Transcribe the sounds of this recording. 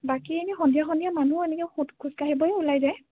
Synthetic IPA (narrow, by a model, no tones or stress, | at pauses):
bakienixɔ̃ndijaxɔndijamanuɛnɛkɛxutkʰuskaɦibɔjɛulajzɛ